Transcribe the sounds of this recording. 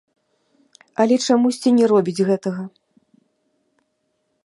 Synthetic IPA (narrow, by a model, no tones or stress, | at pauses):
ɐlʲɛt͡ʂamusʲt͡sʲinʲɛɾɔbʲid͡zʲɣɛt̪ɐɣɐ